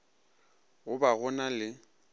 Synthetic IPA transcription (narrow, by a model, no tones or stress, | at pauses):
ɣʊbaɣʊnalɪ